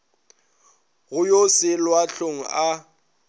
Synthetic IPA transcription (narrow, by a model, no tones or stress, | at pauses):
ɣʊjosɪlwaɬoŋ̩a